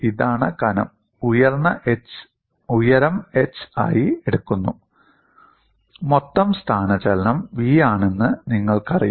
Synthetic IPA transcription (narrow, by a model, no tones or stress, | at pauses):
iðaːɳɨkɐnɐ̰m | ujɐrnːɐʔet͡ɕ | ujɐɾɐmet͡ɕːa̰ːjieɽukːunːu | mot̪ːɐmst̪ʰaːnɐt͡ɕɐlɐnɐmʋiːaːɳe̞nːɨniŋːɐɭkɐrija